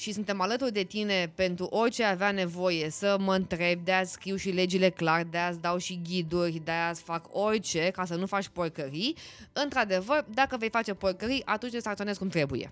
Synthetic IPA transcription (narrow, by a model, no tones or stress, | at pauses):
ʃisunt̪e̞malət̪urd̪e̞t̪ine̞pe̞nt̪ɾuʔo̞rt͡ʃe̞aveane̞vo̞je̞səməɨnt̪ɾe̞b̚d̪eat̪skɾiwʃile̞d͡ʒile̞klard̪easd̪awʃiɡʲid̪urʲd̪easfako̞rt͡ʃe̞kasənufat͡ʃʲporkəɾiɨnt̪ɾad̪e̞vərd̪akəve̞jfat͡ʃe̞porkəɾiʔat̪unt͡ʃ̪ʲesak̪ionezkumt̪ɾe̞bujḛ